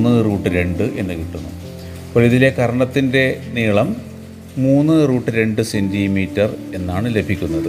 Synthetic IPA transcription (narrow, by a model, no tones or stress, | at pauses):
nːɨruːʈːɨɾe̞ɳɖɨʔe̞nːɨkiʈːunːu | poɭiðile̞kɐɾɐɳɐt̪ːinde̞niːɭɐmː | uːnːɨruːʈːɨɾe̞ɳɖɨsendimiːtːɐre̞nːaːɳɨle̞bʱikʲːunːɐðɨ